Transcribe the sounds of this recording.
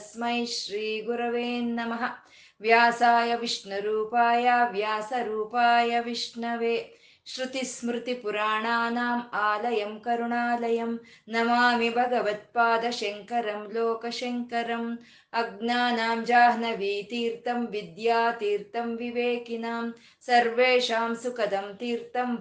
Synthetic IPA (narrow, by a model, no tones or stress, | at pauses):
smɐjʃɾiːɡuɾɐʋeːnːɐmɐɦɐ | ʋjaːsaːjɐʋiʂɳɐɾuːpaːjaːʋjaːsɐɾuːpaːjɐʋiʂɳɐʋeː | ʃɾut̪ismɾut̪ipuɾaːɳaːnaːmaːlɐjɐmkɐɾuɳaːlɐjɐm | nɐmaːmibʱɐɡɐʋɐt̪̚paːd̪ɐʃɐŋkɐɾɐmloːkɐʃɐŋkɐɾɐm | ɐɡnaːnaːmd͡ʒaːɦnɐʋiːt̪iːɾt̪ɐmʋid̪jaːt̪iːɾt̪ɐmʋiʋeːkinaːm | sɐɾʋeːʃaːmsukɐd̪ɐmt̪iːɾt̪ɐm